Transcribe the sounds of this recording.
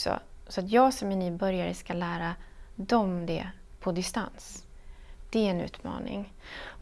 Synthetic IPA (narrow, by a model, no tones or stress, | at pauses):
sɔ̰sɔat̪jɑːɡsɔmɛnibœɾjaɾəskalæːɾad̪ɔmd̪ɛ̰ | pʰɔd̪ɪst̪a̰ns | d̪̥ɛæɾɛnʉ̟ːt̪mɑ̰ːnɪ̰ŋ